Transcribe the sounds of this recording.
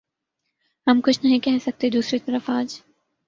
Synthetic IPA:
ɦɐmkʊt͡ʃʰnɐɦĩkɛɦsɐk̚t̪ed̪uːsɾit̪ɐɾəfaːd͡ʒ

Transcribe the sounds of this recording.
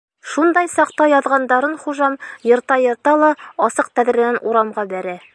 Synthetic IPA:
ʃund̪ɑjsɑqt̪ɑjɒðʁɑnd̪ɑɾɤnχuʒɑmjɤ̆ɾt̪ɑjɤ̆ɾt̪ɑlˠɑɒsɤq̚t̪æðɾɘ̆nænuɾɑmʁɑbæɾæ

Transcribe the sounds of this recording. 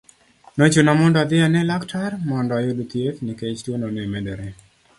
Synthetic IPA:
not͡ʃonamɔndɔad̪ɪanɛlaktʰarmɔndɔajodot̪iet̪niket͡ʃtwonɔnɛmɛdɛɾɛ

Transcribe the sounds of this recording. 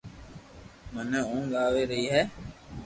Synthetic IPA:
mənəũːɠaːʋeːɾəɦiːɦɛː

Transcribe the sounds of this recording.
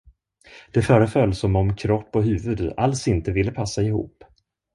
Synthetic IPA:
d̪̥ɛfœːɾəfœlːsɔmɔmkʰɾɔpːɔɦʉ̟ːvɵd̪alsɪnt̪əvɪlːəpʰasːaɪhṵːpː

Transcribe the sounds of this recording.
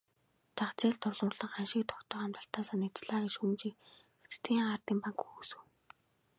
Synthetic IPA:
t͡saχt͡ɕeːɮt̪ʊɮʊːrɮə̆ŋɢanʃɪ̆k̚t̪ʰɔ̥kt̪ə̆χamt̪ə̆ɬt̪aːsaːnit͡sɮaːɣiʃxumt͡ɕiːkxet̪t̪iːŋɢart̪iːmpaŋkxuːsɘ̆w

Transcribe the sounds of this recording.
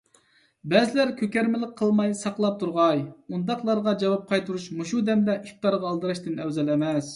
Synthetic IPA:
bɛzɪlæɾkʲʰøkʲæɾmɪlˠɪk̚qʰːəlˠmɑjsɑqlˠɑp̚t̪ʰuɾʁɑjund̪ɑqlˠɑɾʁɑd͡ʒɑwɑp̚qʰɑjt̪ʰuɾuʃmuʃud̪ɛnd̪ɛʔif̚ʲt̪ɑɾʁɑːlˠd̪ɨɾɑʃt̪ɨnɛwzɛlɛmɛs

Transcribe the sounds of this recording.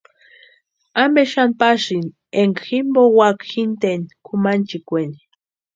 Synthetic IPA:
ambeʃanpaʃin | eŋximbowakxint̪enkʰumant͡ʃikʷeni

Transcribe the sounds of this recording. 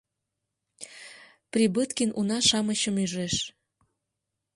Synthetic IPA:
prʲibət̪kinunɑʃɑməɕəmyʒeʃ

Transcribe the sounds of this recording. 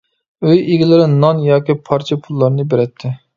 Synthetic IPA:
øjeɡʲilɪɾɪnɑnjɑːkʲipʰɑɾt͡ʃʰɛpʰulˠːɑɾnɨbeɾɛt̪ʰːɪ

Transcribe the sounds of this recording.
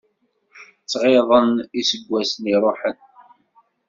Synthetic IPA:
t͡sːʁeðˤənisəɡʷːæsniɾˤoħən

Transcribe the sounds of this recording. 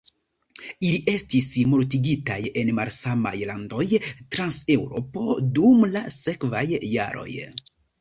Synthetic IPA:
iliʔe̞stismoɾtiɡita̰je̞nmalsama̰jlando̞jtɾanse̞wɾo̞po̞̰dumlase̞kvajːa̰ɾo̞̰j

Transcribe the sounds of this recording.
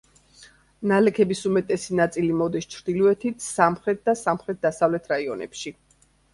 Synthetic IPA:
nalɛkʰɛbisumɛt̪ʼɛsinat̪sʼilimɔd̪ist͡ʃʰɾd̪iluɛt̪ʰit̪ʰsamχɾɛt̪̚ʰd̪asamχɾɛt̪̚d̪asavlɛt̪ʰɾaiɔnɛ̰pʃi

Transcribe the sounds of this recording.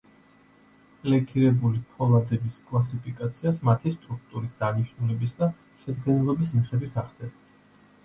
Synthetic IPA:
pʼlɛkʰiɾɛbulipʰɔlˠad̪ɛbiskʼlˠas̬ipʰikʼat̪sʰiasmat̪ʰist̪ʼɾuk̚ʰt̪ʼuɾisd̪aniʃnulɛbisd̪a | ʃɛd̪ɡɛnɛlˠɔbismiχɛd̪wit̪ʰaχd̪ɛba

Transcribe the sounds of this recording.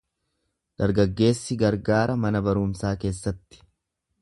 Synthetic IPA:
d̪̥ɐɾɡɐɡːe̞ːsːɪɡɐɾɡaːɾʔɐmɐnɐbɐɾʊːmsaːke̞ːsːɐt̪ːɪ̥

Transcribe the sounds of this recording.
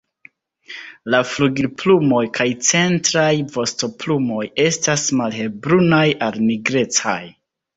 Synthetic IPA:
lafluɡiɾplumo̞jkʰajt͡se̞ntɾajvo̞sto̞plumo̞je̞stasmalhe̞bɾunajalniɡɾe̞t͡sa̰j

